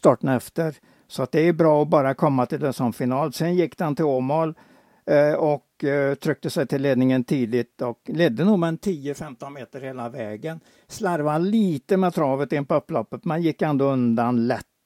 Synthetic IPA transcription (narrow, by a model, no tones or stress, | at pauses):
st̪ɑːʈːənɛft̪əɾ | sɔat̪̚d̪ɛæɾbɾɑːɔbɑːɾakʰɔmːat̪ʰɪld̪ɛsɔmfɪnɑːlsɛnjɪkːd̪ant̪ɪoːmoːl | ɔkt̪ʰɾʏk̚t̪əsɛjt̪ʰɪlːeːd̪nɪŋənt̪ʰiːd̪ɪt̪ɔklɛd̪ːənuːmɛnt̪ʰiːəfɛmt̪ɔnmeːt̪əɾheːlavɛːɡən | slaɾvaliːt̪əmɛːt̪ʰɾɑːvət̪ɪnpɔɵpːlɔpːət̪mɛnjɪkːɛnd̪oːɵnd̪anlɛt̪ː